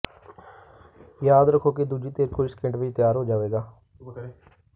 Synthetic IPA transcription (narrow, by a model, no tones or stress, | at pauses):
jaːd̪ɾəkʰoːkɪd̪uːd͡ʒiːt̪eːɾkʰoːɪskɪ̃ɳɖʋɪt͡ʃt̪ɪjaːɾɦoːd͡ʒaːʋeːɡaː